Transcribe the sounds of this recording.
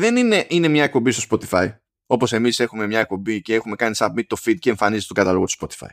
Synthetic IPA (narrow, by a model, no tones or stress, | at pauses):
ðe̞nineʔine̞mɲɐek̚po̞mbist̪o̞spo̞t̪ifɐi | o̞po̞se̞mise̞xume̞mɲɐek̚pombice̞e̞xume̞kɐnisɐpmit̪o̞fid̪̚ce̞ːɱfɐnizet̪ɡɐt̪ɐlo̞ɣot̪u̥spo̞t̪i̥fɐ̰j